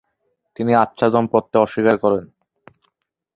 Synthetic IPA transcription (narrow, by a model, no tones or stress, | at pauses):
t̪iniatːɕʰad̪ɔmpɔt̪ːeɔʃːikaɾkɔɾen